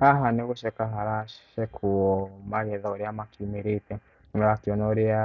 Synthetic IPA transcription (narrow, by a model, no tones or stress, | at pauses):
aɦanɛkuʃɛkaɦaɾaʃɛkʰuɔmaɣɛðauɾiamakimiɾitɛ | nɔɾakiɔnɔɾia